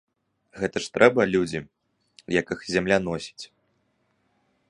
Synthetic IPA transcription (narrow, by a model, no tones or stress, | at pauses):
ɣɛt̪ɐʂt̪ɾɛbɐlʲud͡zʲi | jɐkɨxzʲamlʲan̪ɔsʲi̥t͡sʲ